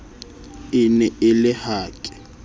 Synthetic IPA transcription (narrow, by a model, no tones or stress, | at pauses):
ɪnɛɪlɪhaːkʼɪ̥